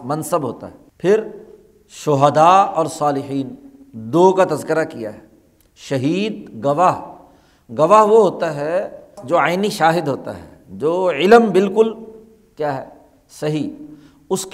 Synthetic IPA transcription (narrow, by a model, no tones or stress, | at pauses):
mɐnsəbɦo̰ːt̪a̰ɦɛːpʰɪɾ | ʃʊɦəd̪aːɔːɾsaːlɪħiːn | d̪oːkat̪ɐzkɪɾakija̰ɦɛː | ʃɐɦiːd̪̚ɡɐʋaɦ | ɡɐʋaɦʋoɦoːt̪aɦɛd͡ʒoːaːɪniʃaːɦɪd̪ɦoːt̪a̰ɦɛ̰ | d͡ʒoːɪləmbɪlkʊl | kjaːɦɛː | sɐɦi | ʊsk